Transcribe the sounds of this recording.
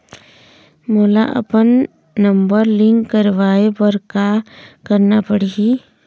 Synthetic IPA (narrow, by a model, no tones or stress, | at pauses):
moːla̰ʔɐ̰pənː | ə̃mbəɾlɪ̃ŋkːəɾʋaːebəɾkakəɾnapəɽiɡi